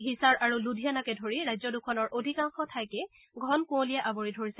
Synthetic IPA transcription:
ɦisaɹʔaɹuludʱijanakɛdʱoɹiɹajzɔdukʰɔnɔɹʔodʱikaŋxɔtʰajkɛ | ɡʱɔnkũolijaʔaboɹidʱoɹisɛ

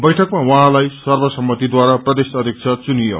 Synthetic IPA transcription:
bʌjʈʰʌkmawʌɦãlajsʌrbʌsʌmbʌt̪id̪waɾaprʌd̪esʌd̪ʱjik̚t͡sʰʌt͡sunijo̰

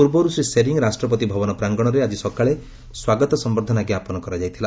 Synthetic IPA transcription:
uɾbɔɾusɾiseɾiŋɔɾasʈɾɔp̬ɔt̪ibʱɔbɔnɔpɾaŋɡɔɽ̃ɔɾead͡ʒisɔkaɭe | swaɡɔt̪ɔsɔmbɔɾd̪ʱɔnakiapɔnɔkɔɾad͡ʒajt̪ʰila

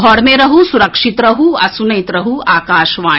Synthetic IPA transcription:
ɔɽmeɾɐɦusuɾɐkʂit̪ɾɐɦuɐsunɐjt̪ɾɐɦuaːkaːʃʋaː

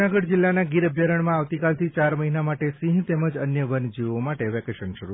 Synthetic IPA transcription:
aɡəɽd͡ʒɪlːanaɡiɾəbʱjəɾəɳ̃mãaʋt̪ikalt̪ʰit͡ʃaɾməɦinamaʈesĩɦt̪eməd͡ʒənjəʋənd͡ʒiʋomaʈeʋɛkeʃənʃəɾu

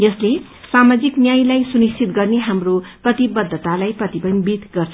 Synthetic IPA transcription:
jʌsle | samad͡ziknjajlajsunist͡sʰit̪ɡʌrneɦamroprʌt̪ibʌd̪ʱːʌt̪alajprʌt̪ibʌnbid̪ɡʌrt͡sʰʌ

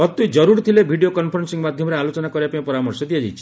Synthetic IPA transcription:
ɔt̪ujd͡ʒɔɾuɾt̪ʰilebʱiɖiokɔnpʰɔɾensiŋɡmad̪ʱjɔmɔɾealot͡ʃɔnakɔɾibapaĩpɔɾamɔɾsɔd̪iad͡ʒajt͡ʃʰi̥

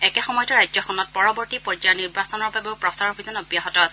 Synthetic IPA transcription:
ɛkɛxɔmɔjtɔɹajzɔkʰɔnɔt̚pɔɹɔbɔɹtipɔɹd͡ʒajɔniɹbasɔnɔɹbabeʊpɹɔsaɹɔbizɔnɔbjaɦɔtɔasɛ

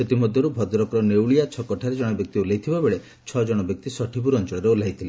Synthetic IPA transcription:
ʃet̪imɔd̪ʱjɔɾubʱɔd̪ɔɾɔkɔɾɔnewɭijat͡ʃʰɔkɔʈʰaɾed͡ʒɔɽ̃ɔbjɔk̚t̪iulajt̪ʰibabeɭe | t͡ʃʰɔd͡ʒɔɽ̃ɔbjɔk̚t̪isɔʈʰibuɾɔnt͡ʃɔɭɔɾeulajt̪ʰile

